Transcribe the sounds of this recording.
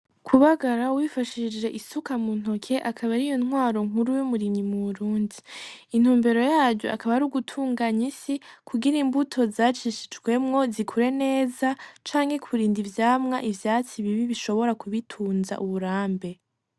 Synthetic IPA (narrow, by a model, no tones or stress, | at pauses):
kʰuβaɡaɾauwifaʃid͡ʒɾe̞ʔisukamun̥ho̞kʰe̞ʔakʰaβaɾijo̞nhwaːɾo̞ŋ̥uɾujumuɾimɲimuβuɾuːndiin̥uːmbe̞ɾo̞jaːɾɟo̰ʔakaβaɾuɡutʰuːŋɡaɲisikʰuɡiɾimbutʰo̞zaːt͡ʃiʃi̥d͡ʒɡwe̞mŋo̞zikʰuɾe̞ne̞ːzat͡ʃaːŋhe̞kʰuɾiːndivjaːmŋaʔivjaːt͡siβiβiβiʃo̞βo̞ɾakuβitʰuːnza̰ʔuβuɾaːmbe̞